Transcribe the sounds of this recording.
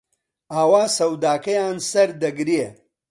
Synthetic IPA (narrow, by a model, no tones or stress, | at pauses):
aːwaːsɐwd̪aːkɐjaːnsɐɾd̪ɐɡɾie